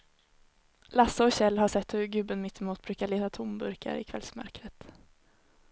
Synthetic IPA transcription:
lasəɔɕɛlːɦaʂɛt̪ːhɵɾɡʉ̟ːbənmɪt̪ːɪmuːt̪̚bɾʉ̟ːkaɭeːt̪at̪ʰʊmbɵɾkʰa̰ɾɪ̰kʰvɛ̰lsmœ̰ɾkɾət̪

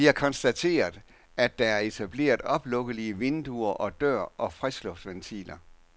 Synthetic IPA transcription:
iæɐkʰɒ̽nsd̥æt͡sʰe̝̰ːɐðˠ | æd̥ːɑ̈æɐe̝t͡sʰæb̥le̝̰ːɐðˠɒ̽b̥lɔ̽ɡ̥əliəʋe̝nd̥uɐʔɒ̽d̥ɶɐ̰ʔɒ̽fʁɛslɔ̽fd̥ʋent͡sʰḭlɐ

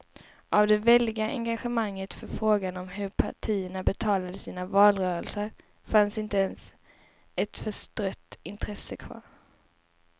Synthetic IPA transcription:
ʔavd̪ɛvɛlːɪɡaʔɛ̰ŋɡaɧəmaŋːət̪fœɾfɾoːɡanɔmɦɵɾpʰa̰ʈʰiːəɳabɛt̪ʰɑːlad̪əsiːnavɑːlɾœːɾəlsəɾ | fansɪnt̪əɛns | ɛt̪fœʂt̪ɾœt̪ːɪnt̪ʰɾɛsːəkʰvɑ̰ːɾ

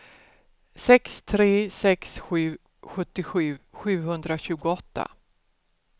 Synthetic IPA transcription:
sɛkst̪ʰɾeːsɛksɧʉ̟ː | ɧɵt̪ːɪɧʉ̟ːɧʉ̟ːɦɵnd̪ɾaɕʉ̟ːɡʊɔt̪ːa̰

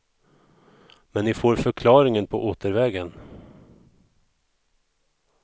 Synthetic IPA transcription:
mɛnːɪfoːɾfœɾkʰlɑːɾɪŋənpʰɔʔoːt̪əɾvɛːɡən

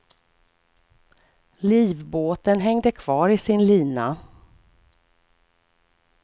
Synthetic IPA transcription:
liːvboːt̪ənɦɛŋd̪əkʰv̥ɑːɾɪsɪnliːna

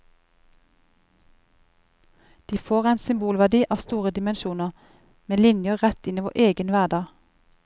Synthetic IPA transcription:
d̪̥iːfoːʁæɪnsʏmbuːlʋæd̪iːʔɑːʋst̪uːʁəd̪ɪmənʃuːnəʁ | meːlɪnjəʁɛt̪ɪniːʋo̰ːʔeːɡənʋæʁd̪ɑː

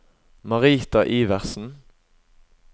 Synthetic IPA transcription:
mɑʁiːt̪ɑʔiːʋæʁsn̩

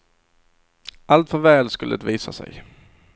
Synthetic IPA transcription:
ʔalt̪fœɾvɛːlskɵlːət̪viːsa̰sɛ̰j

